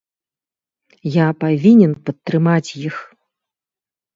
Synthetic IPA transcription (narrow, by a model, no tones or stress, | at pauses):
japavʲinʲɛnpɐt̪ːrɾɨmat͡sʲjix